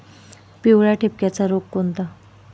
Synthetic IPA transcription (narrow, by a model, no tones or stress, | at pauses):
piwɭjaʈʰep̚kjat͡saɾokkont̪a